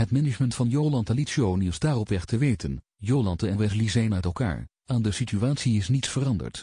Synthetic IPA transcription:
ɦətmɛnɪt͡ʃməntfɑnjowlɑntalisiownɪzdaːrɔpɛχtəʋejtən | jowlɑntəɛʋɛslizejənœɥtɛlˠka̰ːɹ | aːndəsityaːtsiɪsnitsfərɑndə̰ɹt

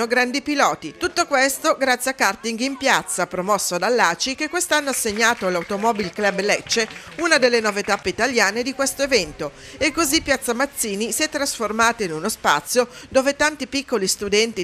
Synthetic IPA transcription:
oɡɾand̪ipilɔːt̪it̪ut̪ːokwest̪oɡɾat̪sːjakːart̪iŋɡimpjat̪sːapɾomɔsːoad̪alːaːt͡ʃikekːwest̪anːoasːeɲːaːt̪olawt̪omɔːbilklɛblɛt͡ʃːe | unad̪elːenovet̪apːeit̪aljaːned̪ikwest̪oevɛnt̪o | ekːozipːjat̪sːamat̪sːiːnisiɛt̪ːɾasformaːt̪oinunospa̰t̪sːjod̪oːvet̪ant̪ipikːolist̪ud̪ɛnt̪i

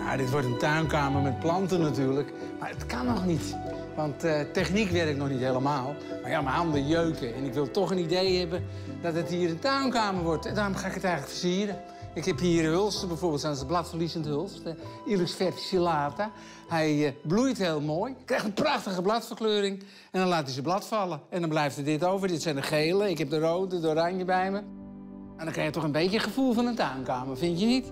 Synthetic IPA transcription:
ja̰dɪtʋɔrtəntœɥnkaːmərmɛt̚plɑntənːatyːrlək | marətkanːɔxnit | ʋɑnttɛxnikʋɛrɪk̚nɔxnitheləmaːlˠ | marjamaandəjøɥkəɛnɪkʋɪlˠtɔxənidejhɛbə | dɔtəthiːəɾəntœɥnkaːmərʋɔrtndaːrʊmxaːɪkhətɛjɣənləkfə̥siərə | ɪkhɛphiːərəɦølˠstəbɛjfoːrbeːlˠtsɔnsəblatfərlisənthølˠstiləksfɛrti̥silaːta | hɛjblujtheːlˠmoːjkrɛjxtəpraxtəɣəblatfərkløːɾɪŋ | ɛndɔnlaːtisəblatfalˠəɛndɔnblɛjftədɪtowvərdɪtsɛjndəχeːləɪkhɛp̚dəroːtədoɾaɲjəbɛjmə | mandɔnkrɛxətɔxənbejtjəxəfulˠfɔnəntaɥnkaːmərfɪntjənit

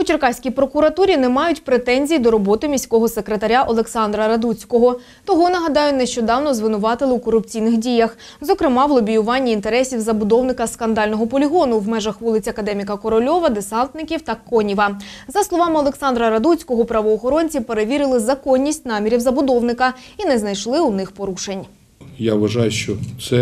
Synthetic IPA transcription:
ʊt͡ʃerkɑsʲkʲijpɾɔkʊɾɐt̪uɾʲinɛmɑjʊtʲpɾet̪ɛnʲzʲijd̪ɔɾɔbɔt̪ɪmʲisʲkɔɦɔsekɾet̪ɐɾʲaʔɔlˠeksɑnd̪ɾɐɾɐd̪ut͡sʲkɔɦɔ | t̪ɔɦɔnɐɦɐd̪ɑjʊneʃt͡ʃɔd̪ɑwnɔzʋɪnʊʋɑt̪ɪlˠɪwkɔɾʊpt͡sʲijnɪxdʲijɐx | zɔkɾɪmɑwlˠɔbʲijʊʋɑnʲːiːnt̪e̞ɾɛsʲiwzɐbʊd̪ɔwnɪkɐskɐnd̪ɑlʲnɔɦɔpɔlʲiɦɔnʊwmɛʒɐxʋulˠɪt͡sʲɐkɐd̪ɛmʲikɐkɔɾɔlʲɔʋɐd̪esɑnt̪nɪkʲiwt̪ɐkɔnʲiʋɐzɐslˠɔʋɑmɪɔlˠeksɑnd̪ɾɐɾɐd̪ut͡sʲkɔɦɔpɾɐʋɔːxɔɾɔnʲt͡sʲipe̞ɾe̞ʋʲiɾɪlˠɪzɐkɔnʲːisʲtʲnɑmʲiɾʲiwzɐbʊd̪ɔwnɪkɐinɛznɐjʃlˠɪunɪxpɔɾuʃe̞nʲ | jaʋɐʒɑjʊʃt͡ʃɔsɛ

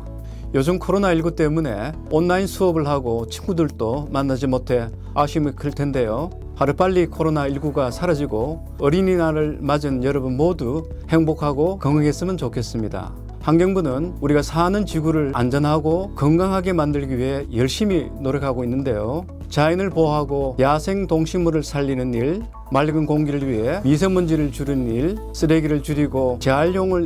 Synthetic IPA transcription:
jod͡ʑɯmkʰoɾonaiɭɡut͈e̞mune̞̰ | onːainsʰuʌbɯɭhaɡot͡ɕʰiŋɡudɯɭt͈omanːad͡ʑimotʰe̞ | aɕʰimikʰɯɭtʰe̞nde̞jo | haɾɯp͈aʎːikʰoɾonaiɭɡuɡasʰaɾad͡ʑiɡo | ʌɾininaɾɯɭmad͡ʑɯnjʌɾʌbɯnmodu | he̞ŋbokʰaɡokʌŋɯŋɦe̞s͈ɯmɯnt͡ɕokʰe̞s͈ɯmɲida̰ | haŋɡjʌŋbunɯnuɾiɡasʰanɯnt͡ɕiɡuɾɯɭa̰nd͡ʑʌnɦaɡokʌŋɡaŋɦaɡe̞mandɯɭɡie̞jʌɭɕ͈iminoɾʌkʰaɡoinːɯnde̞jo | t͡ɕainɯɭpoɦaɡojasʰe̞ŋtoŋɕʰinmuɾɯɭsʰaʎːinɯniɭ | maɭɡɯnkoŋɡiɾɯɭɥiɦe̞mis̬ʰeŋmund͡ʑeɾɯɭt͡ɕuɾɯniɭ | s͈ɯɾeɡiɾɯɭt͡ɕuɾiɡot͡ɕe̞aɭjoŋɯɭ

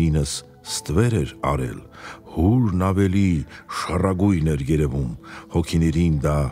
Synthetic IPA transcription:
inəsː | t̪vɛɾɛɾɑ̰ɾɛ̰lhuɾnɑvɛliʃərɑɡujnɛɾjɛɾɛvumhɔkʰinɛɾind̪ɑ

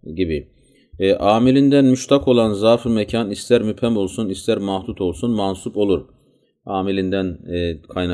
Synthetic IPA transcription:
ɟibi | ʔaːmilʲind̪ænmyʃt̪ʰakʰo̞lˠanzafɯmɛcʰanist̪ʰæɾmypʰhæmo̞lˠsunist̪ʰæɾmahd̪ut̪ʰo̞lˠsunmansupo̞lˠuɾ | aːmilʲind̪ænkʰajna

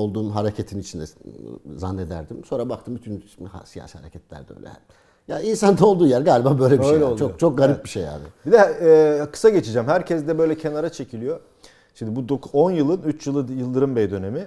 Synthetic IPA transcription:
olˠd̪uːmɦaɾecʰet̪ʰinit͡ʃʰind̪ɛ̰za̰nːe̞d̪æ̰ɾd̪imso̞nɾabak̚t̪ʰɯmbyt̪ʰyna̰sija̰ːsihaɾecʰɛt̪lʲæ̰ɾd̪ɛø̰jlʲɛ̰ | jainsand̪aolˠd̪uːjæɾɡaːlʲibaːbø̞jlʲɛiøʃjlolˠt͡ʃʰot͡ʃʰok̚ɡaɾip̚biʃejja̰ːnɪbid̪ɛːkʰɯ̥saɟe̞t͡ʃʰid͡ʒæmhæɾcʰɛzd̪ɛbø̞jlʲɛcʰe̞naɾat͡ʃʰe̞cʰilʲijo | ʃimd̪ibud̪oko̞njɯlˠɯnyt͡ʃjɯlˠɯjɯlˠd̪ɯɾɯmbɛjd̪ø̞ne̞mi

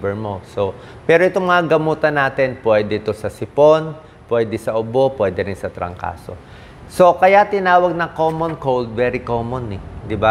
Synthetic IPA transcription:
bɛmo̞so̞ | pɛːɾoʔɪt̪oŋmɐŋaɡɐmuːt̪ɐnːaːt̪ɛnpwɛːd̪ɛt̪o̞sɐsɪpo̞n | pwɛːd̪ɛsɐʔʊbo̞pwɛːd̪ɛɾɪnsɐt̪ɾɐ̰ŋka̰ːso̞̰ | so̞kɐjat̪ɪnaːwɐɡ̚nɐŋkoːmonkold̪̚vɛːɾɪkoːmonɛd̪ɪba

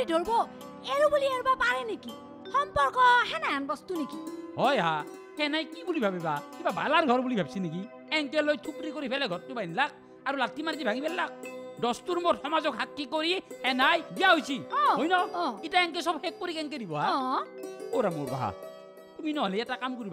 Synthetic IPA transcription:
idʱoɹbɔ | eɹubuliɛɹbapaɹɛneki | xɔmpɔɹkɔhɛnajanbɔstunekiɦɔjɦa | kɛnajkibulibʱabɛbakibaba̰laɹɡʱɔɹbulibʱabsinek̬i | ɛŋkɛlojtʰukɾikoɾipʰɛlaɡʱɔt̚ːubajnlak̚ | aɾulatʰːimaɾitibʱaŋibɛlːak̚dɔstuɾmotxɔmazɔkhakːikoɾiɛnajbijaɦojsiɔ̃ojnɔɔitaɛŋk̬ɛsɔbhɛk̚ːoɾikɛŋk̬ɛdibɔɦaɔ | oɾamoɹba̰ɦa̰ | tuminɔɦɔlɛɛtakamkoɾiba

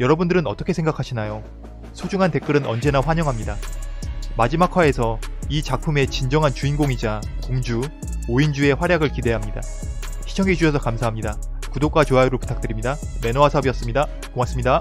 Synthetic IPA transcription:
jʌɾʌbundɯɾɯnʌt͈ʌkʰe̞sʰe̞ŋɡakʰaɕʰinajo | sʰod͡ʑuŋɦante̞k͈ɯɾɯnʌnd͡ʑe̞naɸwaɲʌŋɦamɲida | mad͡ʑimakʰwae̞sʰʌit͡ɕak̚pʰume̞t͡ɕind͡ʑʌŋɦant͡ɕuinɡoŋid͡ʑa | koŋd͡ʑu | oind͡ʑue̞ɸwaɾjaɡɯɭkide̞ɦamɲida | ɕʰi̥t͡ɕʰʌŋit͡ɕuɕʰʌsʰʌkamsʰaɦamɲida | kudok͈wat͡ɕoaiɾoɭpu̥tʰak̚t͈ɯɾimɲida | me̞noasʰʌbijʌs͈ɯmɲida | koŋas͈ɯmɲida

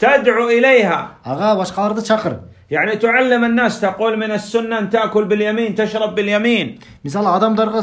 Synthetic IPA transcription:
t̪ad̪ʕuʔɪleːha̰ɑɣɑbɑʃqɑlˠɑɾd̪ɑt͡ʃʰɑqɾ | jaʕnit̪ʊʕalːɪmanːaːst̪aquːlmɪnasːʊnːaʔnt̪aʔkʊlbɪljamiːnt̪aʃɾˤɑbːɪljamiːn | mɪsaːlʕɑd̪ɑmd̪ɑɾʁɑ

